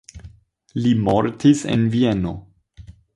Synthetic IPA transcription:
limoɾtise̞̰nvieno̞

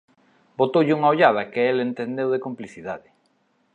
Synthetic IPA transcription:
bot̪owʎuŋaoʎað̞akeelent̪end̪ewðekompliθiðaðɪ

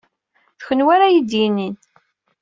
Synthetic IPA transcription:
θçənwaɾajid̪jinin

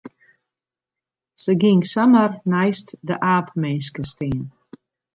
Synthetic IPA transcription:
səɡɪŋsamərnɛjstdəʔaːpmɛnskəstiːn

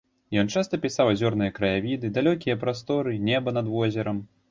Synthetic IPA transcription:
jɔnt͡ʂast̪ɐpʲisawzʲɔrnɨjɐkɾɐjavʲid̪ɨd̪alʲɔkʲijɐpɾast̪ɔɾɨnʲɛbɐnɐd̪vɔzʲɛɾɐm

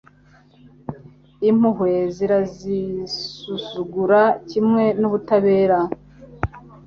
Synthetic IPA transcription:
im̥uɦwe̞ziɾazisuzuɡuɾacimŋe̞nuβutaβe̞ːɾa

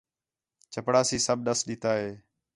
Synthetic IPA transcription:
t͡ʃəpɽaːsiːsəb̚ɗəsɗɪt̪aːɦeː

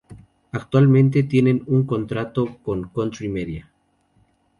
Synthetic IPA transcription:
akt̪walment̪et̪jenenuŋkont̪ɾat̪okoŋkont̪ɾimeðja

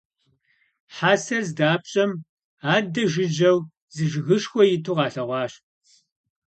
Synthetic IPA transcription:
ħaːsɐzdaːp̚ɕʼɐm | aːdɐʒɪd͡ʒɐw | zɨʒɣɨʃxʷɔjɪtʰuʁɑːɬɐʁʷɑːʃ

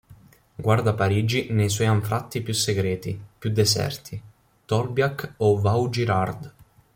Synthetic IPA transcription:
ɡward̪apaɾiːd͡ʒinejswɔjaɱfɾʔat̪ːipjusːeɡɾɛːt̪ḭpjud̪ːɛsɛ̰rt̪ʰi | t̪ɔrbjakɔvawd͡ʒiɾard̪

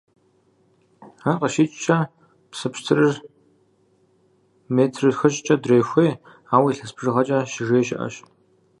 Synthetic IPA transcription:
aːqɐʃiːt͡ʃʼt͡ʃʰɐ | psɨpɕtʰɨrɨr | meːtʰrɨxɐɕʼt͡ʃʼɐdrejxʷeː | aːwiːɬɐspʰʐɨʁɐt͡ʃʼɐʃɪʒeːʃɪ̰ʔɐ̰ɕ

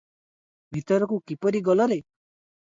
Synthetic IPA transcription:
bʱit̪ɔɾɔkukipɔɾiɡɔlɔɾe

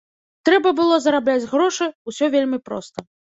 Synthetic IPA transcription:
t̪ɾɛbɐbɨlˠɔzɐɾablʲat͡sʲɣɾɔʂɨusʲɔvʲelʲmʲipɾɔ̰st̪ɐ

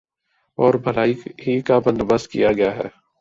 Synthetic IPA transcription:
ɔːɾbʱɐlaːiɦikabɐ̃nd̪bəst̪kḭjaɡɐjaɦɛ̰ː

